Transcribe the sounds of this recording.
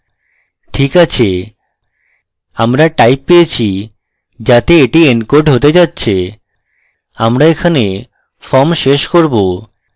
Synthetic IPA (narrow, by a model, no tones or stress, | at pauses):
ʈʰikat͡ɕʰe | amɾaʈajppeet͡ɕʰi | d͡ʑat̪eeʈienkoɾɖɦot̪ed͡ʑatːɕʰe | amɾaekʰane | fɔmʃeʃkoɾbo